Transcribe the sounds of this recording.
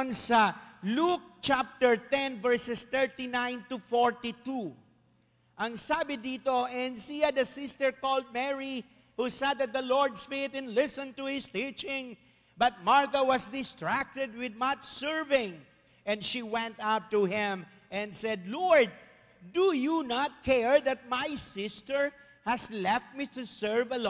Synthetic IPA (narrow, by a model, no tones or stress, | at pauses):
nsɐluk̚t͡ʃap̚t̪ɛɹt̪ɛ̃nvɛɹsɛst̪ɛɹt̪inãj̃nt̪ufɔɹt̪it̪u | ʔɐŋsabɪd̪iːt̪oɛnsiɐd̪ɐsɪst̪ɛɹkɔld̪̚mɛɹi | husɛd̪ɐt̪̚d̪ɐlɔɹd̪sfet̪ɨ̃nlɪsə̃nt̪uhɪst̪it͡ʃɪ̃ŋ | bɐt̪̚maɹkɐwʌsd̪ɪst̪ɹæk̚t̪ɛd̪̚wɪd̪matsɛɹvɪ̃ŋ | ʔɛ̃ndʃiwɛ̃nt̪ap̚t̪uhɪ̃m | ʔɛ̃nd̪sɛd̪lɔɹd̪̚ | d̪ujunat̪̚kʰɛɹðɐt̪̚majsɪst̪əɹ | hɐslɛft̪̚mit̪usɛɹvɐl